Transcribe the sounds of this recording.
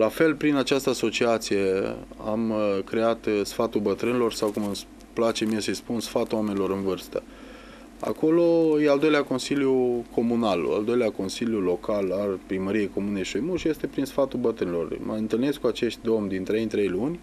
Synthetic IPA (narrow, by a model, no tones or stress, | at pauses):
lafe̞lpɾinat͡ʃast̪əaso̞t͡ʃiat̪sije̞a̰mkɾeat̪sfat̪ulbət̪ɾɨnʲilo̞rsawkumɨs | plat͡ʃe̞mijesəjspunsfat̪uame̞nilo̞ɾɨnvɨrst̪ə̰ | a̰ko̞lo̞jeald̪o̞jleako̞nsiljukʰo̞munalo̰a̰ld̪o̞jleako̞nsiljulo̞kalarʲpɾiməɾijejko̞muneʃojmuʃje̞st̪e̞pɾinsfat̪ulbət̪ɾɨnilo̞̰rmʔə̰ɨnt̪ɨlne̞skuat͡ʃe̞ʃt̪̚ʲd̪o̞mʲd̪int̪ɾe̞jnt̪ɾe̞jlunʲ